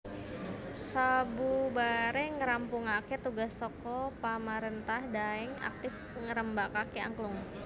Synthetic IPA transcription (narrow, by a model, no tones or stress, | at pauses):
sabubaɾɛŋəɾampʊŋakɛt̪uɡasɔkɔpamaɾɛnt̪ahdaɛŋa̰k̚t̪ɪf | ŋəɾəmbakakia̰ŋklʊŋ